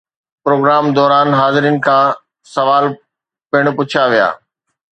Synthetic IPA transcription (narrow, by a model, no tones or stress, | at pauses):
pɾoːɡɾaːmd̪ɔːɾaːnɦaːzɪɾijənɪ̆kʰãː | sɐʋaːl | pɪɽ̃̆pʊt͡ɕʰaʋija̰ː